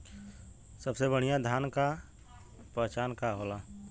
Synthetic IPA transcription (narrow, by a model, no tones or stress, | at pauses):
səbsebəɽ̤ijad̪ʱjaːnka | pɛːt͡ʃaːnkaɦoːla